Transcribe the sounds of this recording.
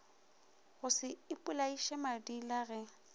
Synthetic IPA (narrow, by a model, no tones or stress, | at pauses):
ɣʊsɪɪpʼʊlaiʃɛmadilaɣɛ